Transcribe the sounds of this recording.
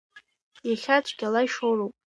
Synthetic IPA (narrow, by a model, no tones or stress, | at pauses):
jaχʲat͡ʃʷʰʼɡʲalajʂorowpʼ